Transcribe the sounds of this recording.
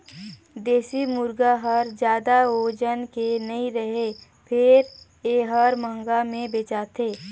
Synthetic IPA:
d̪eːsimʊɾɡaɦəɾd͡ʒjaːd̪aoːd͡ʒənkenɐĩɾəɦe | pʰɪɾ | eɦəɾmə̃ŋɡamẽbeːt͡ʃaːt̪ʰeː

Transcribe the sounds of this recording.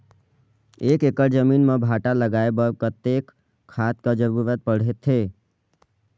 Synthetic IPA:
eːkekəʈd͡ʒəminmẽbʱaʈaləɡaebəkət̪ekʰː | at̪̚kad͡ʒəɾuɾət̪̚pəɽ̤et̪ʰɦe

